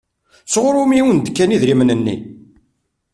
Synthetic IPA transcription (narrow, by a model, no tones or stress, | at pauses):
t͡sːʁɾˤʊmiwənd̪kːæniðɾimənənːḭ